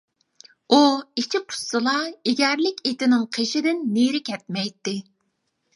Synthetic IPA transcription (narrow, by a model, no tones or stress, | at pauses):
uit͡ʃʰiqʰʊ̥sːɨlˠɑeɡʲɛɾlɪkʲet̪ɪnɪŋqʰeʃɪd̪ɪnːeɾɪkʲʰɛt̪̚mɛjt̪ːɪ